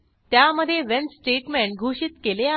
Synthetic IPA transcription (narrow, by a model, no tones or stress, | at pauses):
t̪jaməd̪ʱːjeʋensʈeʈmɛ̃ɳɡʱuɕit̪kelea